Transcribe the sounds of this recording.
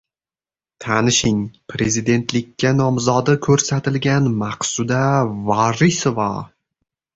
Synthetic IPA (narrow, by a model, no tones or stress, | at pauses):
t̪ʰanɪʃɪŋpʰɾe̞zɪd̪e̞nt̪ʰlɪkʲʰːanɒmzɒd̪ɪkʲʰɵɾsat̪ʰɪlɡʲanmaqsʊd̪avɒɾisovɑ̰